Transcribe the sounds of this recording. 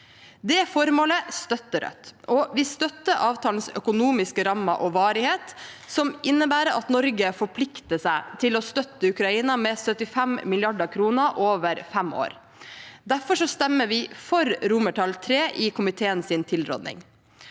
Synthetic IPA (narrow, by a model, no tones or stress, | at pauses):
d̪ɛfɔɾmoːləst̪œt̪ːəɾœ̰t̪ːʔɔʋɪst̪œt̪ːəʔɑːʋt̪ʰɑːln̩sœ̰kʊnuːmɪskəɾɑmːɑ̰ʔɔʋɑːɾɪheːt̪sɔmʔɪnːəbæːɾəɑ̰t̪nɔɾɡəfɔɾpʰlɪkt̪əsæɪt̪ʰɪlɔst̪œt̪ːəʉkɾɑiːnɑmɛsœt̪ɪfæmmɪlɪɑɖəkʰɾuːnəʔoːʋəɾfɛmo̰ːɾ | d̪æfɔʂɔst̪ɛmːəʋɪfɔɾɾʊməʈʰɑlt̪ʰɾeːʔɪkʰʊmɪt̪ʰeːənsɪnt̪ʰɪlɾɔ̰d̪nɪ̰ŋ